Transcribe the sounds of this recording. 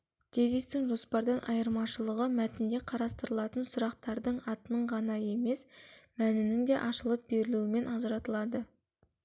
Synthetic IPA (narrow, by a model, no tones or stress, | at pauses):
t̪ʰe̞zist̪ɪŋʒo̞spɑɾd̪ɑnʔɑjəɾmɑʃəlˠəʁəmæt̪ɪnd̪e̞qʰɑɾɑst̪əɾəlˠɑt̪ənsʊɾɑq̚t̪ɑɾd̪əɴɑt̪ənəɴʁɑnɑje̞me̞smænɪnɪŋd̪e̞ʔɑʃəlˠəp̚be̞ɾɪluɪme̞nɑʒəɾɑt̪əlˠɑd̪ə